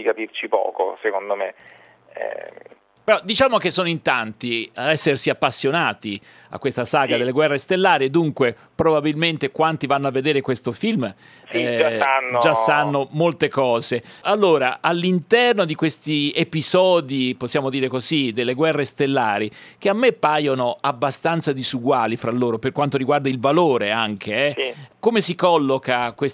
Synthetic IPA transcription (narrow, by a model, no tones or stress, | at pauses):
d̪ikapirt͡ʃipɔ̰ːko̰sekond̪omḛ | ɛ̰ | peɾɔd̪it͡ʃaːmok̟esːoːnoint̪ant̪iaɛsːersiapːasːjonaːt̪i | a̰kwest̪asaːɡad̪elːeɡwɛrːest̪elːaːɾied̪uŋkwe | pɾobabilment̪ekwant̪ivanːoavːed̪eːɾekwest̪ofilm | sid͡ʒasanːod͡ʒasːanːomolt̪ekɔːzealːoːɾaʔalːint̪ɛrnod̪ikwest̪iepizɔːd̪iposːjaːmod̪iːɾekozid̪elːeɡwɛrːest̪elːaːɾik̟eamːepːaːjonoabːast̪ant̪sad̪izuɡwaːlifɾalːoːɾoperkwant̪oɾiɡward̪ailvaloːɾeaŋk̟ʰeɛkomesikɔlːokakwes